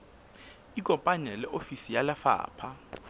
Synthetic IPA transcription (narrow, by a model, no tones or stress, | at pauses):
ikʼɔmpʼanɛlɛʔofisijalafa̰ːpʰa